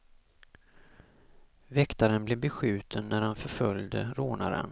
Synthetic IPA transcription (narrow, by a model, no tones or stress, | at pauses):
vɛkt̪aɾənbleːbɛɧʉ̟ːt̪ʰənːæɾhanfœɾfœljd̪ə̰ɾoːna̰ɾə̰n